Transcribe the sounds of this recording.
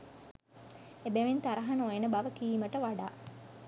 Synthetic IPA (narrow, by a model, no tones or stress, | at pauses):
ebeʋint̪aɾɐɦanojenəbaʋəkiːməʈəʋaɖa̰ː